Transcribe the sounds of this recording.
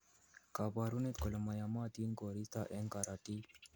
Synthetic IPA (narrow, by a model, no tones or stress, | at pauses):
kabaːɾunet̪kolɐmajamaːt̪inkoɾist̪aʔeŋkaɾaʈ̪i